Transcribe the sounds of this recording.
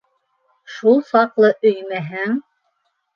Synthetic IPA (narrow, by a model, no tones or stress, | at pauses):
ʃulˠsɑqlˠɤʔɵjmæɦæŋ